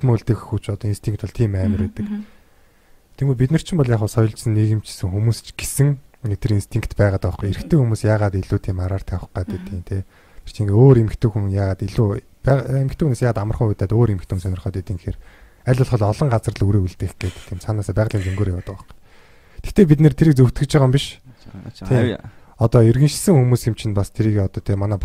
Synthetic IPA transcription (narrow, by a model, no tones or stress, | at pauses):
t̪moɮt̪ɘ̆xxut͡ɕɔt̪ɔinst̪ʰiŋk̚t̪ɔɮt̪ʰiːmæːmə̆ɾeːt̪ɘ̆k | t̪ʰemɡuːp̬it̪nɘ̆r̥t͡ɕʰɪ̆mpɔɮjaːχʊːsɔjɞ̆ɮt͡ɕsə̆nːiːɣɘ̆mt͡ɕʰi̥sɘ̆ŋxumuːst͡ɕɡ̥e̥sɘ̆ŋmet̪ʰɘ̆ɾinst̪ʰiŋkt̪pæːʁaːt̪ʊχqueɾɘ̆xt̪ʰeːxumuːsjaːʁaːt̪iɮuːt̪ʰiːmaɾaːr̥t̪ʰæwə̆χqaːt̪et̪iːnt̪ʰe | t̪ʰe̥r̥t͡ɕʰiːŋɡeoːɾemɘ̆kt̪ŭːxuŋjaːʁaːt̪iɮuː | pæemɘ̆kt̪ʰĕːxuneːsjaːʁat̪amə̆rχuːut̪æːt̪oːɾemɘ̆kt̪ʰŭnsœnʲɪ̆rχœːt̪it̪ĭːŋxer | æɮʲʊ̆ɮχɞ̆ɮɔɮɞ̆ɴɢat͡sərɮuɾeːuɮt̪ɘ̆xɡ̥eːt̪ʰiːmsanaːsaːpæːʁɮiːnt͡sɵŋɡoːɾjawʊːt̪ʊχu̥ | t̪ʰe̥xt̪eːpit̪nĕrt̪ʰeɾɘ̆k̚t͡suw̥t̪ɡɘ̆k̚t͡ɕʰiʁə̆mpiʃ | tʰeː | ɔt̪ɔerɣɘ̆nʃsɘ̆ŋxumuːsxemt͡ɕʰɪ̆npast̪ʰeɾiːɣɔt̪ɔːt̪ʰeːmanæːp